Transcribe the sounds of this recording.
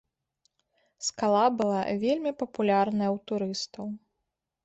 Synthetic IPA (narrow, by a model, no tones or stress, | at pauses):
skalˠabɨlˠa̰vʲelʲmʲipɐpulʲarnɐjɐwt̪uɾɨst̪ɐw